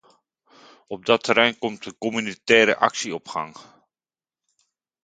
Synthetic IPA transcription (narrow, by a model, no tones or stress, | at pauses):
ɔb̚dɑtʰəɾɛjnkɔmtəkɔmynitɛːɾə̰ʔɑ̰ksiɔpχɑ̰ŋ